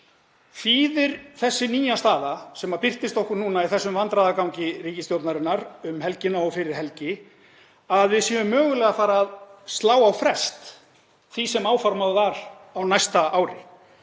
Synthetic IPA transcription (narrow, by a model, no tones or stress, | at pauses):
fiːðɪɾ̥θɛsːɪniːjast̪aːðasɛmapɪr̥t̪ɪst̪ɔhkʏɾnuːnaiθɛsːʏmvant̪ɾaðakawɲcɪriːcɪst̪jowt̪naɾɪnaɾʏmɦɛlcɪnːaɔfɪɾɪɾ̥ɦɛlcɪ | aðvɪðsjɛʏmːœːɣʏlɛɣafaːɾaːðst̪laːwawfɾɛst̪ | θisɛmaːwfɔɾmaððaɾ | awnajst̪aʔawɾɪ